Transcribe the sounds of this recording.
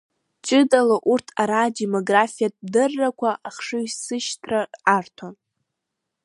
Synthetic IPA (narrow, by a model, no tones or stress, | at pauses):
t͡ʃʼɨdalaʔurtʰaɾaːdemoɡrafijatʼdɨrːakʷʰaʔaχʂɨɥsɨʃtʰrarartʰon